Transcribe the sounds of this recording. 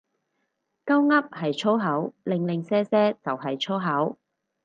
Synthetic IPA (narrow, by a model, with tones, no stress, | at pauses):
kɐ˥wŋɐ˥p̚hɐ˨jt͡ʃʰo˥wɦɐ˨˥wlɪ˨˧ŋlɪ˨ŋsɛː˥sɛː˥t͡sɐ˨wɦɐ˨jt͡ʃʰo˥wɦɐ˨˥w